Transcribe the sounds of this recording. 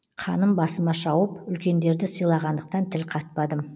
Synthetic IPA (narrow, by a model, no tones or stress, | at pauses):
qʰɑnəmbɑsəmɑʃɑwəpʏlkʲe̞nd̪e̞ɾd̪ɪsəjlˠɑʁɑnd̪əq̚t̪ɑnt̪ʰɪlqʰɑt̪̚pɑd̪ə